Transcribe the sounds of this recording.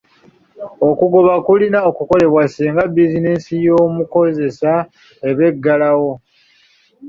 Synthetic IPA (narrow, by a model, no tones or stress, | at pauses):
o̞kuɡo̞βakulinaokuko̞le̞βwasiːŋɡabizine̞nsijo̞ːmuko̞ze̞sa | e̞βe̞ɡːalawo̞